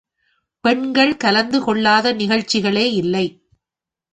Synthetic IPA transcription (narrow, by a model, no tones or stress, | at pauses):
pɛɳɡɐɭkɐlɐnd̪ɯkɔɭːaːðɐnɪɣɐɻt͡ʃːɪɣɐɭeːɪlːɐɪ